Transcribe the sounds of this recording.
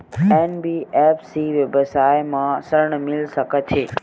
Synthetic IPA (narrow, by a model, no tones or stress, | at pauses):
eːnbiːefsiʋəbəsaːjmãsəɾɳəmɪlsəkʰət͡ʃʰeː